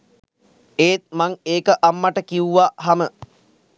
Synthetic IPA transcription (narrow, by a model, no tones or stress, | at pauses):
eːt̪̚maŋeːkəʔamːaʈəkiuʋaɦamə